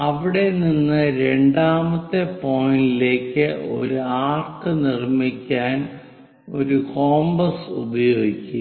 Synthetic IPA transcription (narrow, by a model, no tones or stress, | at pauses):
ɐʋiɽe̞ninːɨɾe̞ɳɖaːmɐt̪ːe̞po̞jindile̞ːkːɨo̞̰ɾuaːrkːɨnirmikʲːaːn | o̞̰ɾuko̞ːmbɐsṵbɐjo̞ːɡikʲːu